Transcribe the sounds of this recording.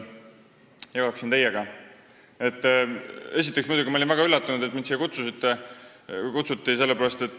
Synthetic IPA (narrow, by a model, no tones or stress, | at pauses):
jɑkɑksint̪e̞jeɡ̥ɑ | e̞t̪ːˑe̞s̬it̪ˑːeksmujd̪uɡimɑolinvæɡɑylːɑt̪ːˑunud̪̥et̪minsijːekut̪susit̪ːe | kut̪sut̪ːise̞lːepæɾɑst̪e̞t̪ːˑ